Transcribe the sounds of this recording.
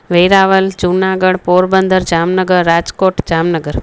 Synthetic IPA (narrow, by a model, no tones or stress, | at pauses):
ʋejɾaːʋəld͡ʒunaːɡəɽpoːɾbənd̪ʱəɾd͡ʒaːmnəɡəɾːaːd͡ʒkoːʈd͡ʒaːmnəɡəɾ